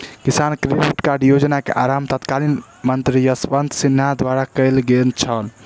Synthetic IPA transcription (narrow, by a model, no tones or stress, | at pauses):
kisankɾekeʈkaɾɖjod͡ʒnakḛʔaɾamt̪ət̪kalin | mənt̪ɾijəsʋənd̪sinːad̪waɾakəɪlɡelt͡ʃʰəl